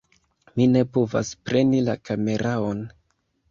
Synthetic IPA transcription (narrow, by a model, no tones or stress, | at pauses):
mine̞pova̰spɾe̞nilakame̞ɾʔao̞n